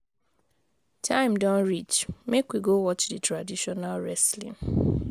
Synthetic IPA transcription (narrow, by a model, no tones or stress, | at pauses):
tʰãɪ̃mdãnɹit͡ʃmekwiɡowɔt͡ʃditʰɹadiʃɔnalɹɛslḭ̃ŋ